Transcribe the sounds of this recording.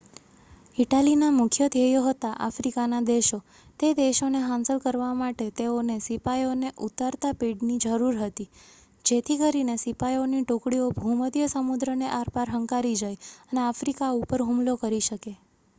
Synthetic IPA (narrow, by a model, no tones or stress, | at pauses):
iʈalinamʊkʰjət̪ejoɦət̪aʔa̰fɾikanad̪eʃo | t̪ed̪eʃoneɦãnsəlkəɾʋamaʈet̪eonesipajoneʔut̪aɾt̪apiɖnid͡ʒəɾuɾɦət̪i | d͡ʒet̪ʰikəɾinesipajoniʈokɽiobʱuməd̪jəsəmud̪ɾəneʔaɾpaɾɦəŋkaɾid͡ʒajəneafɾikaupəɾɦumlokəɾiʃəke